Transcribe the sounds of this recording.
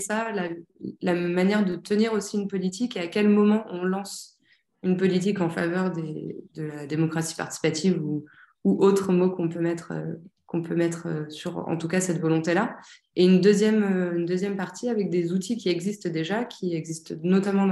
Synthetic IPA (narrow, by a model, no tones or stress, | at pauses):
salalamanjɛʁd̪ət̪əniʁosiynpɔlit̪ikeakʲɛlmɔmɑ̃ʔɔ̃lɑ̃s | ynpɔlit̪̬ikɑ̃fa̰vœʁd̪ḛd̪əlad̪emɔkχassi̥pa̰ʁt̪i̥si̥pat̪ʰivu | uʔot̪χəmokɔ̃pømɛt̪χø̰kɔ̃pømɛt̪χø̰syʁɑ̰̃t̪ukasɛt̪vɔlɔ̃t̪ela | eynd̪øzjɛmøynd̪øzjɛmpaʁt̪ʰiavɛk̚d̪ezut̪ikʲiɛɡzist̪d̪eʒakʲʰiɛɡzist̪nɔt̪amɑ̃